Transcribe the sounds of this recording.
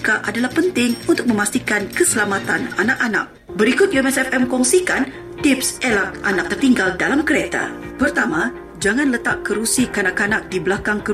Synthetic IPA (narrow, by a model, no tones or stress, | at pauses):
kaʔadalahpənt̪ɪŋunt̪ʊk̚mə̃mast̪ikankəsəlamat̪ananak̚ana̰k̚ | bəɾikʊt̪̚jumɛsɛfɛmkɔŋsikan | t̪ɪpsɛlak̚anak̚t̪ərt̪iŋɡaldalamkəɾet̪a̰pərt̪ama | d͡ʒaŋanlət̪aʔkəɾusikanakanak̚dibəlakaŋkə